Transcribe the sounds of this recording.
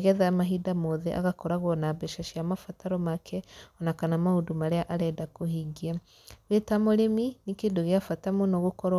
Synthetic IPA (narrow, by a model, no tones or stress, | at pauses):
ɣɛðamaɦidamoðɛʔa̰ɣakɔɾaɣwɔnabɛʃaʃiamafataɾɔmakʰɛɔnakanamaondumaɾeaʔaɾɛdakohiɡia | wetamoɾeminekeːndoɣeafatamonɔɣokɔɾ